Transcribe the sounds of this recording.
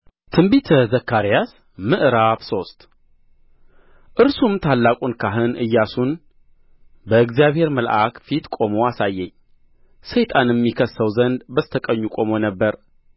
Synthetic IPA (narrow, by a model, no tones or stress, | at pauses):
t̪ʰɨmbit̪ʰəzəkːaɾijas | mɨʔɾabso̞st̪ʼ | ʔɨɾsumt̪ʰalːakʼunkʰaɦɨnɨjːasun | bəɨɡzjaβhe̞ɾməlʔa̰kfit̪kʷʼo̞moasajːɛɲː | səjt̪ʼanjɛmːikʰəsːəwzənd̪bəst̪ʰəkʼəɲːukʼo̞monəbːəɾ